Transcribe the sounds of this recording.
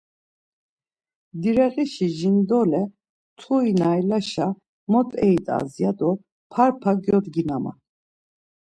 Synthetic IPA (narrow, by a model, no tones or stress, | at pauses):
d̪iɾɛɣiʃiʒind̪ɔlɛ | t̪ʰuinajlaʃa | mɔt̪ʼɛit̪ʼa̰zjad̪ɔ | pʰaɾpʰaɡjɔd̪ɡinama̰